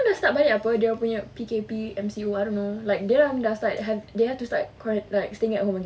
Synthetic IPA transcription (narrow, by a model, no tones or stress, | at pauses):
ãmdastaʔ̚bajlitapədeɔpuɲapikepiɛ̃msioaɪjdõnːolaɪk̚delãdastat̚ɦɛvdehɛftusta̰tkʰɔɹə̃nlaɪk̚steɪ̃ŋɛtʔkɔ̃mãŋɡi